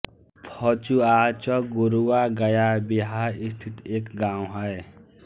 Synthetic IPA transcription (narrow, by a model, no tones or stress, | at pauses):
pʰɔt͡ʃuat͡ʃʌɡuɾuwaɡɐjabiɦaist̪ʰit̪eːkɡãw̃ɦəj